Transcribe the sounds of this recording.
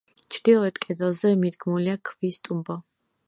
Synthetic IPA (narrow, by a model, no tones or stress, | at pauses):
t͡ʃʰɾd̪̥ilˠɔɛt̪ʰʼkʼɛd̪alˠzɛmid̪ɡmuliakʰvist̪ʼumbɔ